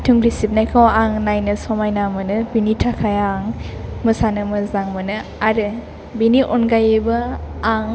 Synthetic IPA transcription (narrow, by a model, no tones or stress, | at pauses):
tʰuŋɾisip̚najkʰawaŋnajnɯsɔmajnamɯnɯbinitʰakʰajaŋmɯsanɯmɯzaŋmɯnɯaɾɯ | biniʔɔnɡajɯbɯaŋ